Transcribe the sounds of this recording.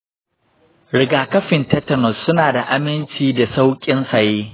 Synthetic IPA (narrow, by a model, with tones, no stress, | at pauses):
ɾɪ˨ɡaː˨kɐ˦ɸɪ˨ntɛ˦tɐ˦˨nɔ˨sːʊ˦naː˨da˨ʔa˦mɪ˦nt͡ʃiː˦da˨sa˦wkʲʼɪ˦nsa˨jeː˦